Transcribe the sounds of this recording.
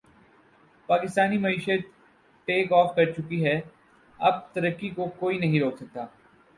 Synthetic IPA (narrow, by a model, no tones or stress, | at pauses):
paːkɪst̪aːnimɐiːʃət̪̚ | ʈeːkɔːfkɐɾt͡ʃʊkiɦɛ | ɐb̚t̪ɐɾəkːikokoːinɐɦĩɾoːksɐk̚t̪aː